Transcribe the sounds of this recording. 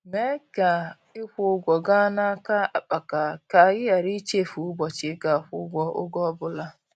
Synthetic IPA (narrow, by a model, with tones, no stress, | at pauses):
me˦ka˨ | ɪ˦kʷʊ˦ɡʷɔ˨ɡa˦na˦ka˦a˨k͡pa˨ka˨ka˨ɣɪ˦ja˨ɾi˦t͡ʃe˦˨fu˨˦bɔ˨t͡ʃɪ˨˦ka˨ɸʊ̰˦ɡʷɔ˦ʔʊ̰˦ɡɔ˦bʊ˦la˦